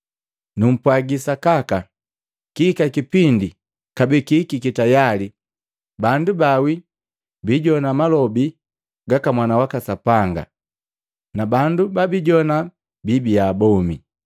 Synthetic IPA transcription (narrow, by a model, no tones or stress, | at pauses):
num̩pwaɡisakaka | kiːkakipindi | kabikikikitajali | bandubawi | biɟɔnamalɔbi | ɡakamwanawakasapaŋɡa̰ | nabandubabiɟɔna | bibiaːbɔmi